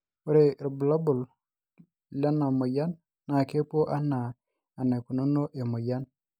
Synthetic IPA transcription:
o˦ɾe˨ɾbu˨la˦bu˨l | la˦na˨mo˨ja˦nː | a˨ke˦po˦ʔa˦naː˨ | ne˨ku˨no˦no˦ʔe˨mo˨ja˦n

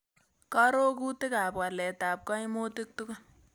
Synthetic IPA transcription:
ka˦ɾo˦ku˦tɪ˦kaː˨pka˨lɛ˨taː˨p̚kɔ˦i˦moː˦tɪ˦k̚tu˦ka˦

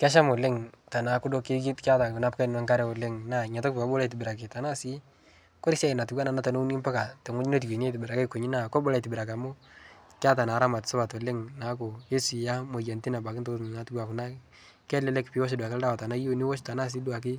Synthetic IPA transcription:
ka˦ʃ̬a˦mo˨lɪ˦ŋta˨na˨kʊ˦do˦ki˦ɡi˦tka˦ta˨kʊ˨na˦p̚ka˦˨na˦ŋka˦ɾɛ˦ɔ˨lɪ˦ŋna˨ɲa˨tɔ˦kpa˨bɔ˦la˨t̬ɪ˨bɪɾa˨k̬ɪ˨ta˨na˦si˦ | kɔ˦ɾɪ˦sa˦i˨na˨tu˨ɡwa˦na˨na˦ta˨no˦u˦ni˦mpa˦ka˨tɛ˨ŋʊ˦ɲi˦no˦t̬i˨ɡe˨n˦e˦tɪ˨bɪ˨ɾa˨ka˦kːo˨ɲi˦na˨kɔ˦bɔ˦la˨tɪ˨bɪ˨ɾa˨ka˨mo˦ | kɪ˦a˦ta˨na˨˦ɾa˦ma˨tso˦ba˨tɔ˨lɪ˦ŋna˨˦k̬o˨je˦si˨ja˦mo˨ja˨nti˦na˨ba˨kɪ˦nto˦˨na˨˦tu˦ɡwa˨kʊ˨na˦ | kɛ˦lɛ˦lɛ˦kpi˨˦wɔ˦ʃ̬e˦dwa˨klda˦wa˨ta˨na˦jo˦ni˦wɔ˦ʃta˨na˦s̬i˦du˦a˨k̬ɪ˦

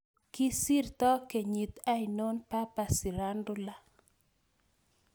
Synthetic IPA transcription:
kɪ˦si˦rt̪ɔ˦ke˨ɲi˨t̪a˦ino˦npa˦pa˨si˨ɾa˦ndo˦la˨

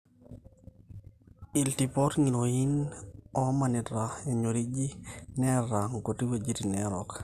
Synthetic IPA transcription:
iltipɔ˦tŋi˨noi˦nɔma˨ni˨tɾae˨ɲo˨ɾi˦d͡ʒi˦nɛɾaŋko˨ti˦we˨d͡ʒi˦ti˨nɛɾɔk

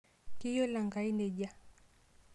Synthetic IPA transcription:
ki˦jɔ˦la˨ŋɡa˨i˦nɛ˨ʄa˦

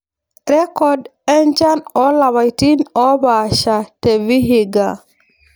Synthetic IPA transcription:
ɾɛ˦kɔ˨dɛ˦nd͡ʒa˦nɔ˦la˨wa˨jti˦nɔ˦ba˨ʃa˨te˨vi˦ɦi˨ɡa˨

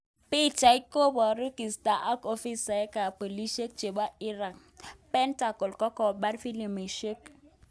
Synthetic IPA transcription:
pi˦t͡ʃa˨i˦ko˦bɔ˨ɾu˦ki˨sta˨ʔa˦ko˦fi˦sa˨ɛ˦ka˨po˨li˦ʃe˦k̚t͡ʃe˨ba˦i˦ɾa˨k̚ | pɛ˦nta˨kɔ˨lkɔ˦kɔ˦˨ba˦ɾfi˦li˨me˨ʃe˦k

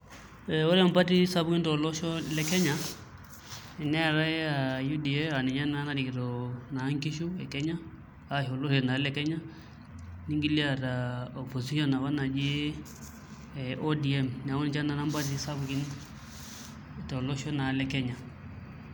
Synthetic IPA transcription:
ɛwɔ˦ɾɛ˦a˨mpa˦ti˦sa˦buki˦ntɔ˨lɔ˦ʃɔ˦lɛ˦kɛ˦ɲa˨ | ɛ˨nɛ˦a˨ɾa˦a˨ju˦di˨ɛ˦a˨nɛ˨ɲa˦na˦na˦di˨ki˨tɔ˨na˨˦ŋki˦ʃu˦ɛ˨kɛ˦ɲaː˦ | ho˨lo˦sɔ˨na˨˦lɛ˦kɛ˦ɲa˦ | ni˦ŋɡi˦li˦a˨ta˨o˨po˨si˦ʃɔ˦na˨βa˦na˨d͡ʒe˦ | ʔo˦di˨ɛ˦mn˨a˨u˦n˨t͡ʃa˦na˨na˦mpa˦t̬i˦sa˦bu˨ki˦n | tɔ˨lɔ˦ʃɔ˦na˨lɛ˦kɛ˦ɲa˨

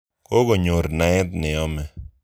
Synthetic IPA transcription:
ko˦ɡo˨ɲo˨ɾna˨˦ɪ˦t̪nɪ˨ɔ˦mɛ˨

